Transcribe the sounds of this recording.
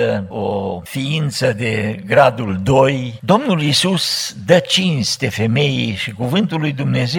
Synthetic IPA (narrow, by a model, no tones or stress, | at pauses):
əofiint̪səd̪e̞ɡɾad̪uld̪o̞jd̪o̞mnulisusd̪ət͡ʃinst̪e̞fe̞me̞jiʃikuvɨnt̪ulːujd̪umne̞ze